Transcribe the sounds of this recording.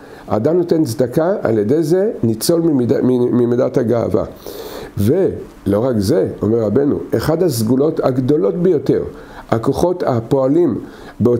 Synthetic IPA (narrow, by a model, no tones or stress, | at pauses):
a̰ːdamnote̞nzd̪akaa̰ljede̞jze̞nit͡so̞liimimimidathaɡaa̰va̰ | ve̞ | lo̞ʁakze̞o̞̰meʁabe̞nṵʔe̞χadhazɡulo̞thaɡdo̞lotbejo̞te̞ʁ | ako̞χo̞tapo̞alim | beo